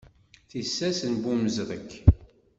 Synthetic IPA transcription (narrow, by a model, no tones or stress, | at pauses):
θisːæsənbuməzðəkː